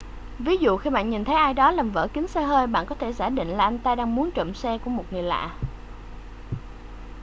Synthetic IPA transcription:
vi˨˦zṵ˧˨xi˧ɓa̰ː˧˨nɲi˨˩nt̪ʰə˨˦jʔaː˧jɗɔ˨˦laː˨˩mvə̰ː˧˩kï˨˦ŋ̟sɛ˧ɦəː˧jɓa̰ː˧˨nkɔ˨˦t̪ʰe˧˩zaː˧˩ɗḭ̈˧˨ŋ̟laː˨˩ʔa˧jŋ̟t̪aː˧ɗaː˧ŋmu˨˦ənt͡ɕə̰˧˨msɛ˧ku˧˩əmo˨˩t̚ŋɨ˨˩əjla̰ː˧˨

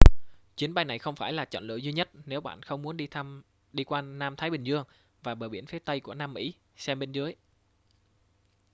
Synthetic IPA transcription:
t͡ɕwi˨˦ənɓa˧jna˨˩jxə˧wŋ͡mfaː˧˩jlaː˨˩t͡ɕɔ̰˧˨nlɨ̰˧˨zwi˧ɲə˦˥t̚ne˨˦wɓa̰ː˧˨nxə˧wŋ͡mmu˨˦ənɗ | ɗi˧kwaː˧naː˧mt̪ʰaː˨˦jɓï˨˩ŋ̟zɨ˧əŋ | vaː˨˩ɓəː˨˩ɓi˧˩ənfi˨˦ət̪ə˧jku˧˩ənaː˧mːḭ˧˥˩ | sɛ˧mɓe˧nzɨ˨˦əj

